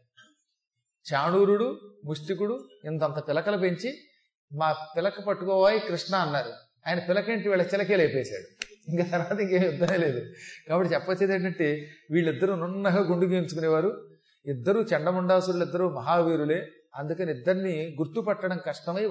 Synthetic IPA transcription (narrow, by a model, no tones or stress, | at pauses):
t͡ʃaːnuːɾuɽumuʂʈik̬uɽuind̪ɐnt̪ɐpɪlɐkɐlɐp̬eɲt͡ʃi | maːpɪlɐkɐpɐʈːukɔːʋaːjikɾiʂɳaːnːaːɾu | ɐːjɐnɐpɪlɐkeːɳʈiʋiːɭːɐkt͡ʃɛlɐkeːlɐːpɛːsa̰ːɽuiŋkaːt̪ɐɾʋaːt̪ɐiŋkeːmjud̪ːɐmeːle̞ːd̪ukaːbɐʈːit͡ʃɛpːɐt͡ʃːeːd̪ɐɳʈɐɳʈeːʋiːɭːid̪ːɐɾununːɐɡaːɡoɳɖuɡiːint͡ʃukuneːʋaːɾu | id̪ːɐɾuːt͡ʃɛɳɖɐmuɳɖaːsuɾulid̪ːɐɾuːmɐɦaːʋiːɾule̞ː | ɐnd̪ukɐniid̪ːɐɾiniɡuɾt̪upɐʈːɐɽɐmkɐʂʈɐmɐj